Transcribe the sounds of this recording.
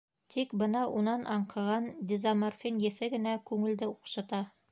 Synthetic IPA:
t̪ʰikbɤnɑʔunɑnʔɑɴqʰɤ̆ʁɑnd̪ʲɪzamarfʲinjɘ̆θɘɡɘ̆nækʉŋɘ̆ld̪ɘuqʃɑt̪ɑ

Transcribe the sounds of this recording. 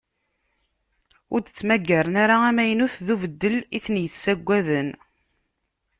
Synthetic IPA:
ʊɾd̪ət͡sːmæɡːæɾənaɾaæmæjənuθðuvəd̪ːəliθənjəsːæɡʷːæðən

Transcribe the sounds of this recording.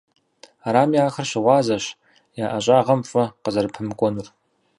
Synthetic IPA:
aɾaːmjaːxɐrɕɪʁʷɑːzɐɕ | jaːʔɐɕʼaːʁɐmfʼɐqəzɐrpʰɨmkʷʼɔnur

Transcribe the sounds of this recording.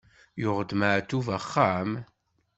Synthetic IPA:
jʊʁəd̪maʕt̪ːuvaχːam

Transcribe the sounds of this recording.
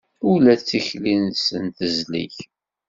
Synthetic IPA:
ʊlæt͡sːiçlinsənt̪əzlḭç

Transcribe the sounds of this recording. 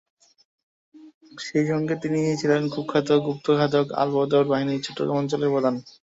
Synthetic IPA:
ʃejʃɔŋɡet̪iniiet͡ɕʰilenkʰup̚kʰːat̪oɡup̚t̪okʰat̪̬oka̰lbod̪oɾbaɦinit͡ɕʰoʈːoka̰ɔnt͡ɕoleɾbɔd̪ʱan

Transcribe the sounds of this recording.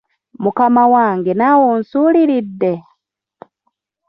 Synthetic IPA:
mukamawaːŋɡenaːwonsuːliɾidːe̞

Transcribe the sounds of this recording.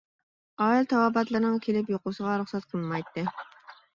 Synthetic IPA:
ɑːilt̪ʰɑwɑbɑt̪lˠɨɾnɨŋkʲʰelɪpjoqʊsəʁɑɾuχsɛt̪̚qʰəlˠmɑjt̪ːɨ

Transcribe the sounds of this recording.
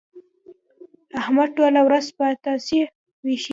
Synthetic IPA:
ahmad̪̚ʈolawɾazpət̪ɑsi | wiʃ

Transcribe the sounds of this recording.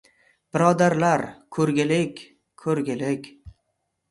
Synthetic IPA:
b̥ɪɾɒd̪aɾlaɾkʰɵɾɡʲɪlɪkʲ | kʰːɵɾɡʲɪlɪkʲ

